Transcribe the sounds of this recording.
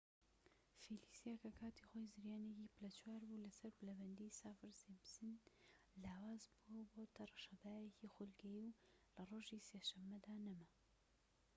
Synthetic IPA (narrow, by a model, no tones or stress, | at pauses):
filisijakʰɐkʰaːt̪ʰixoːjzɨɾjaːneciːpɨlɐt͡ʃʰwaːɾbulɐsɐɾbɨlɐbɐnd̪isaːfɨɾzemsɨn | laːwaːzbuwɐboːt̪ʰɐrˤɑʃɐd̪aːjɛcixulɡɛjiwlɐroːʒiːseːʃɐmːɐd̪aːnɐmɐ